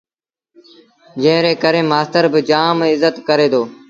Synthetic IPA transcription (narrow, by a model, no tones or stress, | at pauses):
d͡ʒə̃ɦɾeːkəɾeːmaːst̪əɾbɪd͡ʒaːmɪzət̪kəɾeːd̪oː